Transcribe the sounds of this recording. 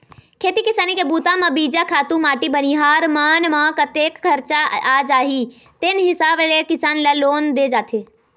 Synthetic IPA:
kʰeːt̪ikɪsaːnikebuːt̪ãmãbiːd͡ʒakʰaːt̪ũmaːʈibəniɦaːɾmaːnmãkət̪eːkkʰːəɾt͡ʃaad͡ʒaːɦi | t̪enɦɪsaːblekɪsaːnlaloːnd̪ed͡ʒaːt̪ʰeː

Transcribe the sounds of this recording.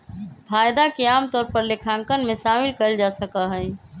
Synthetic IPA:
pʰaːjd̪akeaːmt̪ɔːɾpəɾlekʰãːŋkənmẽsaːmɪlkəld͡ʒasəkəɦəɪ

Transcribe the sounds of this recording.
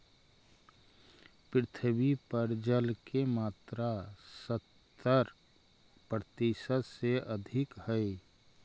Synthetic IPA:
pɾɪt̪ʰəbipəɾd͡ʒəlkemaːt̪ɾasət̪ː | əɾ | pɾət̪iʃəd̪seʔəd̪ʱɪkhəe

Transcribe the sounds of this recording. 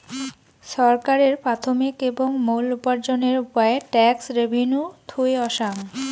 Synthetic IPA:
ʃɔɾkaɾeɾpɾat̪ʰomikeboŋmolupaɾd͡ʑoneɾupaeʈɛksɾebʱinut̪ʰueɔʃaŋ

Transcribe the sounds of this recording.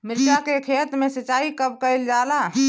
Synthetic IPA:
mɪɾt͡ʃakekʰeːt̪mẽsət͡ʃaːikəb̚kəɪld͡ʒaːlaː

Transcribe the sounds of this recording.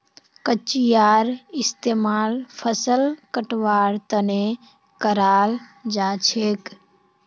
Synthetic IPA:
kət͡ʃijaːɾɪst̪eːmaːlpʰəsəlkəʈʋaːɾt̪əne | kəɾaːld͡ʒaːt͡ʃʰeːk

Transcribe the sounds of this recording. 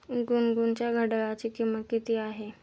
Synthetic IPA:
ɡunɡunt͡ɕjaɡʱəɽəɭat͡ɕikiməkit̪iaɦe

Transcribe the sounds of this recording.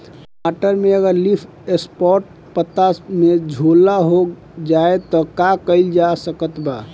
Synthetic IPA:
maʈəɾmeəɡəɾlipʰ | espɔɾʈ̚ | pət̪amed͡ʒʱolːaɦok | d͡ʒaet̪ɔkakəɪld͡ʒasəkət̪ba

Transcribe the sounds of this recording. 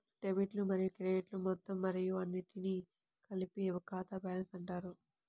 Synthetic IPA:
ʈebiʈlumɐɾijukɾeːeʈlumɔt̪ːɐmːɐɾijuɐnːiʈini | kɐlipiɐʋɐkaːt̪ɐbaːlɐnsɐɳʈaːɾu

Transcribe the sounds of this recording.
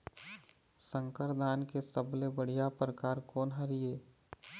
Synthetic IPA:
sə̃ŋkəɾd̪aːnkesəblebəɽ̤ijapɾəkaːɾkɔːnɦəɾijeː

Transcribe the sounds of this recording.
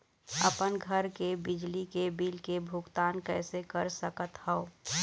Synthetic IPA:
əpənɡʱəɾkebɪd͡ʒlikebiːlkebʱʊɡt̪aːnkɛːsekəɾsəkət̪hɛo

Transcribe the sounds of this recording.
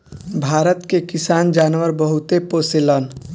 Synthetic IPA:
bʱaːɾət̪kekisaːnd͡ʒaːnʋəɾbəɦut̪eposelən

